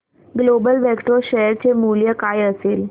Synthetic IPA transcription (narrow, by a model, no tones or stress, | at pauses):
ɡlobəlʋɛkʈoɕəɦəɾt͡semuljəkajəsel